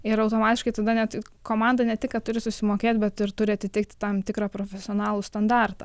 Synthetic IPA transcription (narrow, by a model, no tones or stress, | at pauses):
ɪɾɐʊt̪oːmɑːt̪ʲɪʃkɐɪt̪ɐd̪ɐnʲɛt̪ | koːmɑnd̪ɐnʲɛt̪ʲɪkkɐtt̪ʊɾʲɪsʊsʲɪmoːkʲeːt̪ʲbʲɛt̪ɪɾt̪ʊɾʲɪɐt̪ʲɪt̪ʲɪk̚t̪ʲɪt̪ɐmt̪ʲɪkɾɑːpɾoːfʲɛsʲɪoːnɑːlˠʊst̪ɐnd̪ɑrt̪ɐː